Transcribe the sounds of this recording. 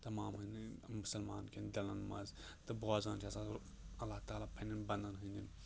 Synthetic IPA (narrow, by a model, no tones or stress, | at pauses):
t̪ɐmaːmɦɨnimʊsɐlma̰ːnkʲend̪ɐlɐnmɐ̰z | t̪ɨbɣaːzaːnt͡ʃʰasatɾ | ɐlːaːht̪aːlaːpʰɐninbɐ̃nd̪ɐnɦɨnʲin